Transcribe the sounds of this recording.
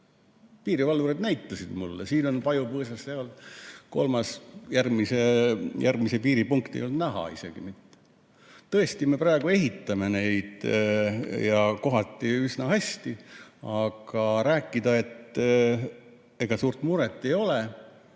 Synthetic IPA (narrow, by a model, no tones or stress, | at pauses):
piːɾivɑlːuɾed̪næjt̪ːɑsid̪̥mulːesiːno̞npɑjupɤːs̬ɑsːeolko̞̰lmɑsjærmisejʔærmisepiːɾipuŋkt̪ḛjold̪næɦɑ̰ise̞̰ɡ̥imit̪ːe̥ | t̪ɤest̪ime̞prɑeɡ̥ue̞ɦit̪ˑːɑme̞ne̞jd̪̥ | jɑko̞ɦɑt̪ːˑiysnɑhæsʲt̪iɑɡ̥ɑɾæːkːˑid̪̥ɑe̞t̪ː | e̞ɡ̥ɑsuːrt̪muɾet̪ːˑe̞jo̞le